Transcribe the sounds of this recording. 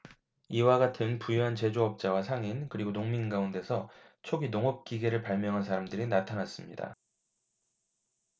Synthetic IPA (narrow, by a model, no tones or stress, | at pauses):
iwaɡatʰɯnpujuɦant͡ɕe̞d͡ʑoʌp̚t͡ɕ͈awasʰaŋinkɯɾiɡonoŋminɡaunde̞sʰʌt͡ɕʰoɡinoŋʌp̚k͈iɡe̞ɾɯɭpaɭmjʌŋɦansʰaɾamdɯɾinatʰanas͈ɯmɲḭda̰